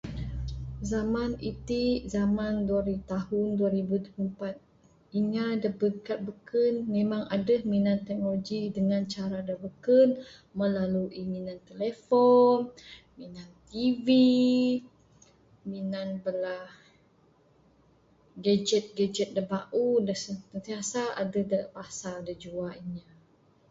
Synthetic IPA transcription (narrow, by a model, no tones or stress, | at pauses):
zamanit̪iʔzamanduaɾiut̪ahunduaɾibut̪upəmpat̪̚ | iŋadabəkat̪̚bəkənmẽmaŋadəhminant̪ɛk̚noloɡidəŋant͡ʃaɾadabəkən | məlaluʔiŋinant̪elefɔn | minant̪ivi | minanbəlah | ɡad͡ʒɛt̪̚ɡad͡ʒət̪̚dəbaʔudəsət̪ənt̪iasaʔa̰dəhdəpasaldəd͡ʒuaiɲa